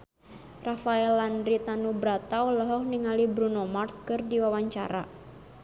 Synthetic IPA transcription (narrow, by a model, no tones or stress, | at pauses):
rafaɛlandɾit̪anubɾat̪aɔlɔɦɔk̚niŋalibɾunɔmarskɨrdiwawaɲt͡ʃa̰ɾa̰